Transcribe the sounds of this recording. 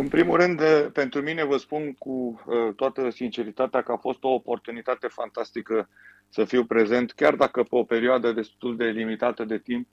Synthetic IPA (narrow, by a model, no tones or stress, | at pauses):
ɨnpɾimulrɨnd̪pe̞nt̪ɾumine̞vəspunkuət̪oat̪əsint͡ʃe̞ɾit̪at̪eakəafo̞st̪o̞ːpo̞rt̪unit̪at̪e̞fant̪ast̪ikə | səfiwpɾe̞ze̞nt̪kʲard̪akəpeo̞pe̞ɾioad̪əd̪e̞st̪uld̪e̞limit̪at̪əd̪e̞t̪imp̚